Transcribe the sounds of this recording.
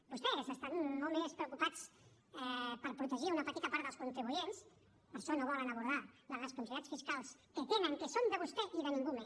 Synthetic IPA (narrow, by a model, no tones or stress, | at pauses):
b̥ust̪ɛkəsəst̪at̪molmespɾəukupat͡s | ɛpəɾpɾut̪əʒiunəpət̪it̪apaɾt̪əlˠskunt̪ɾiβujens | pəɾʃɔnoβ̞ɔlənəβ̞uɾð̞alələskumsiat͡sfiskalˠskət̪eməŋkəsond̪əβust̪ɛʔiðənĩŋɡumes